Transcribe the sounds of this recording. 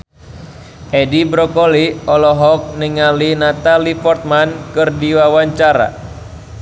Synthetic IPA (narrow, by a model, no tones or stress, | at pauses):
ɛdibɾɔkɔliɔlɔɦɔk̚niŋalinat̪alipɔrt̪̚mankɨrdiwawaɲt͡ʃaɾa̰